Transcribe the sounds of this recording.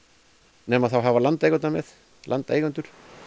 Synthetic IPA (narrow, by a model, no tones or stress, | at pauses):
nɛmaðθawɦavalant̪eːjɣʏnt̪namɛð | la̰nt̪ḛːjɣʏnt̪ʏɾ̥